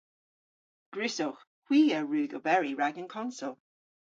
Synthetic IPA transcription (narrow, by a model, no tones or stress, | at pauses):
ɡ̥ɹʉsʊx | kw̥iːəɹʉːɡəbɛɹiɹaɡənkʰɔnsʊlˠ